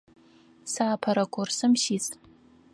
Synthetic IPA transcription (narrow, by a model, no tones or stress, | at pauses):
saːpʰɐɾakʷʰʼʊrsɨmʃit͡sʼ